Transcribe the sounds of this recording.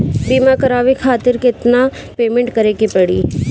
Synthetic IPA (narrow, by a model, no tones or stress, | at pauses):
biːmakɐɾaːʋekʰaːt̪ɪɾkɪt̪na | peːmẽɳʈkɐɾeːkepɐɽḭː